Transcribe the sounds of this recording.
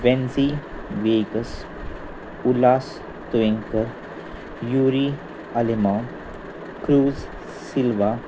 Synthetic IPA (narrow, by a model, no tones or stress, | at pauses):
ʋenzi | ʋeːɡəs | ulaːs | t̪ʋẽŋkəɾ | juːɾi | ɐlima | kɾuːz | silʋa